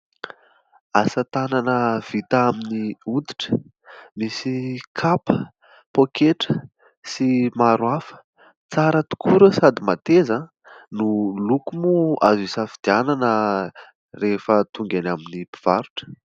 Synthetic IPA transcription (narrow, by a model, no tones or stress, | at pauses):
asət̪ananəv̥it̪aaminiud̪i̥ʈ͡ʂə̥ | misikʰapə | pokʰeʈ͡ʂə | simaɾwafə̥ | t͡saɾət̪u̥kʰuɾəsad̪imat̪eza | nulukumua̰zisafid̪̥iananə | refət̪uŋɡanaminipi̥v̥aɾuʈ͡ʂə̥